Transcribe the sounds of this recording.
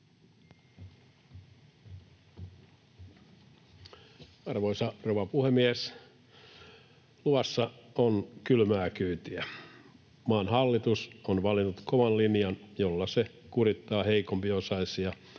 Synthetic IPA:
ɑrʋojsɑroʋɑpuhemːies | luʋɑsːɑonkylmæːkyːt̪iæ | mɑːnɦɑlːit̪usonʋɑlinut̪kʰoʋɑnlinjɑnjolːɑse | kuɾit̪ːɑːɦe̞ikompiosɑisiɑ

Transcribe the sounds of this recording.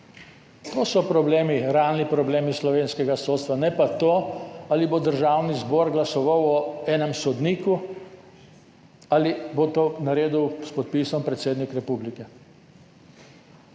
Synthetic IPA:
t̪oːsɔpɾɔbleːmiɾanlipɾɔbleːmislɔʋeːnskɛɡasoːt̪st̪ʋanɛpat̪oːalibod̪əɾʒaːwnizboːɾɡlasɔʋawɔɛːnɛmsɔd̪niːku | alibot̪onaɾeːd̪uwspɔt̪̚pisɔmpɾɛt̪seːd̪nikɾɛpublikɛ

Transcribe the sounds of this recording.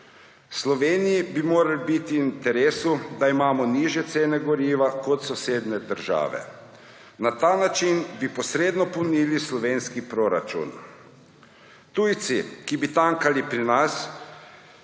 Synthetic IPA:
slɔʋeːnijibimoːɾalibit̪iːnt̪ɛɾeːsud̪aimaːmɔniːʒjɛt̪seːnɛɡɔɾiːʋakɔt̪sɔseːd̪nɛd̪əɾʒa̰ːʋɛ̰ | nat̪aːnat͡ʃinbipɔsɾeːd̪nɔpuniːlislɔʋeːnskipɾoːɾa̰t͡ʃṵn | t̪uːjt̪sikibit̪aŋkalipɾinas

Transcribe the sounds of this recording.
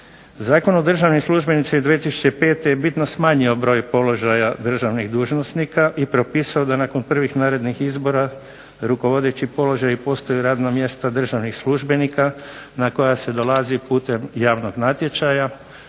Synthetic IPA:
zaːko̞nod̪r̩ʒaʋnislˠuʒbe̞nit̪siid̪ʋiet̪isu̥t͡ʃe̞pe̞ːt̪ejebit̪no̞smaːɲio̞bɾo̞ːjpo̞lo̞ʒajad̪r̩ʒaʋniɣd̪uːʒnost̪nikaʔipɾo̞piːsaod̪anaːko̞npr̩ʋixnaːɾe̞d̪nixizbo̞ɾa | ɾuko̞ʋo̞d̪et͡ɕipo̞lo̞ʒajipo̞st̪ojuɾaːd̪namje̞st̪ad̪r̩ʒaʋnixsluʒbe̞nikanakojase̞d̪o̞lˠazipuːt̪e̞mjaːʋno̞ɡnat̪je̞t͡ʃaja

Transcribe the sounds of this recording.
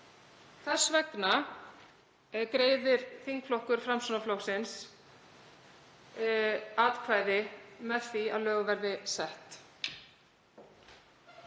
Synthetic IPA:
θɛsːvɛkna | kɾeːjðɪɾθiŋkflohkʏɾ̥fɾamsɔnaflɔxksɪns | aːt̪kʰvaːjðɪmɛðθia̰ðlœːɣʏvɛɾðɪsɛht̪

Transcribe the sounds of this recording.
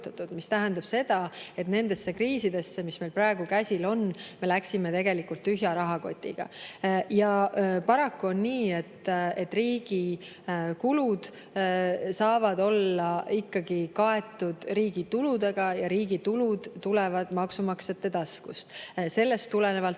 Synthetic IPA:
t̪ɑt̪ːˑud̪̥mist̪æɦænd̪̥ɑb̥se̞d̪̥ɑe̞t̪ne̞nd̪̥e̞sːe̞kriːsid̪̥e̞sːe̞misme̞jlprɑeɡ̥ukæsʲilo̞nme̞læksime̞t̪e̞ɡe̞likˑult̪ːyɦjɑɾɑɦɑko̞t̪ʲːˑḭɡ̥ɑ̰jɑpɑɾɑkːuo̞nːiːet̪ːe̞t̪ːriːɡ̥i | kulud̪̥ | sɑːvɑd̪o̞lːɑikːɑɡ̥ikɑe̞t̪ːˑud̪̥riːɡ̥it̪ulud̪e̞ɡ̥ɑjɑɾiːɡit̪ulud̪̥ːulɛvɑd̪̥mɑksumɑkset̪ːˑet̪ɑskṵst̪se̞lːest̪ːulenevɑlt̪

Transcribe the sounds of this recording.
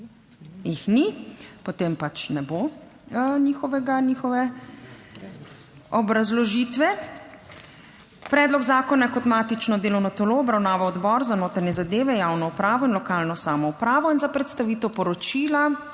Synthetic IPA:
jixnipɔt̪eːmpat͡ʃnɛbo | niːxɔʋɛɡanixɔʋɛ | ɔbɾazlɔʒiːt̪ʋɛ | pɾɛːd̪lɔɡzaːkɔnajkɔt̪maːt̪it͡ʃnɔd̪eːlɔwnɔt̪oloɔbɾawnaːʋaɔd̪bɔɾzanoːt̪ɾanɛzad̪eːʋɛjaːwnɔupɾaːʋɔinlɔkaːlnɔsaːmɔupɾaːʋɔinzapɾɛt̪st̪aʋiːt̪ɛwpɔɾɔt͡ʃiːla

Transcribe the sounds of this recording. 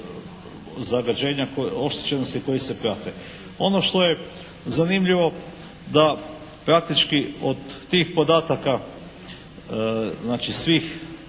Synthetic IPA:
zaɡad͡ʑe̞ːɲakooʃt̪e̥t͡ɕe̞nost̪iko̞jise̞pɾat̪e | o̞no̞ʃt̪o̞je̞ | zanimʎiʋo̞ | d̪a | pɾak̚t̪it͡ʃkiod̪ːiːxpo̞d̪aːt̪aka | znaːt͡ʃisʋix

